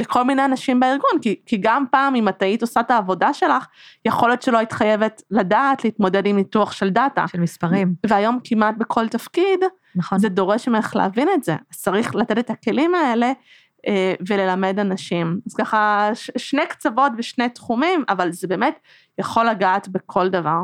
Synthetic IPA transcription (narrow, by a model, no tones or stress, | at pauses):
lekʰolmineanaʃimbaiʁɡunkikiɡampaːmimataito̞sataːvo̞daʃe̞laχjeχoljotʃelo̞itχaje̞vetladaːtleitmo̞de̞dimituaχʃe̞ldata̰ʃelmispaʁimveajo̞mkimat̚bekʰo̞ltafkid | nzedo̞ʁe̞ʃmeχlḛavine̞tze̞̰az̥t͡saʁiχlate̞tetake̞limae̞le̞ | ʔeve̞le̞lame̞danaʃimaz̥kaχaʃʃne̞kt͡savo̞tveʃne̞tχumimavalzebe̞ːme̞t | jaχo̞lːaɡaːtbe̞kʰo̞ldavaʁ